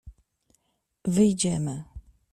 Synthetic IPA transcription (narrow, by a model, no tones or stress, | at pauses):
vɘjd͡ʑɛmɘ